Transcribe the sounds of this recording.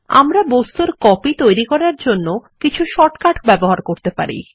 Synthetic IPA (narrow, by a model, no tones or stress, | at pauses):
a̰mɾabost̪uɾkɔpit̪ojɾikɔɾaɾd͡ʑonːokit͡ɕʰuʃɔʈkaʈʰbɛboɦaɾkoɾt̪epa̰ɾḭ